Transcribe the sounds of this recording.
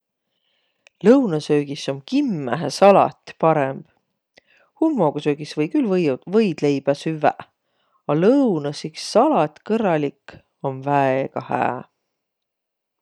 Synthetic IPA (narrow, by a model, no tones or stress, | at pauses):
lɤwnɑsøːɡ̥iso̞mkimːæɦæsɑlɑ̰t̪ʲpɑɾemb̥ | hulmoːɡ̥ɑsøːɡ̥isvɤjkylvɤjvɤjd̪̥le̞jb̥æsyvæ̰ʔ | ɑlɤwnɑsiksːɑlɑt̪ʲkɤɾɑlʲik | o̞nvæeɡ̥ɑhæ̰ː